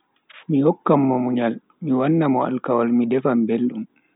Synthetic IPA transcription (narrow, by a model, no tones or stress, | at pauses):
mijɔkːamːɔmuɲal | miwanːamɔa̰lkawalmidɛfambelɗum